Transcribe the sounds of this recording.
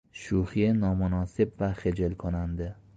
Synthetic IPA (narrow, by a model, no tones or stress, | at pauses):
ʃuhijanɒmʊnɒsɪbvaχed͡ʒelkʰonand̪ɪ